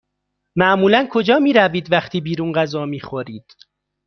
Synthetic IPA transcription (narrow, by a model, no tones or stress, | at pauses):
mæʔmuːlænkʰo̞d͡ʒɒːmiːɾæviːd̪væχt̪ʰiːbiːɾuːnɢæzɒːmiːxoɾiːd̪̥